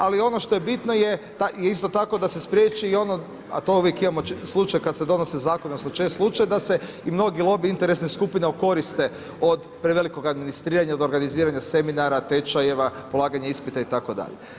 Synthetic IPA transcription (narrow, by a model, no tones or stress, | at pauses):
alio̞noʃt̪ojebit̪no̞jet̪ajeist̪o̞t̪ako̞d̪ase̞spɾʲjeːt͡ʃiːo̞no | a̰t̪o̞uʋjekimamoslˠut͡ʃajkad̪sed̪o̞nosezaːkonosnot͡ʃest̪slˠut͡ʃajd̪ase̞ | imno̞ɡilˠo̞biint̪e̞ɾesneskupineoko̞ɾist̪e̞ | o̞d̪pɾeʋe̞liko̞ɡad̪minist̪ɾiːɾaɲaod̪o̞ɾɡaniziːɾaɲase̞minaɾat̪e̞t͡ʃaje̞ʋapo̞lˠaːɡaɲaispit̪ait̪ako̞d̪a̰ʎḛ